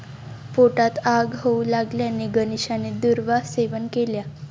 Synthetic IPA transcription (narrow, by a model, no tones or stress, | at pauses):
foʈat̪aɡɦoulaɡljanːiɡəniɕaned̪uɾʋaɦseʋənkelja